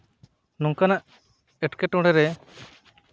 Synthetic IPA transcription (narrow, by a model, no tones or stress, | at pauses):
nɔŋkanaʔ | ɛʈkɛʈɔ̃ɽɛɾɛ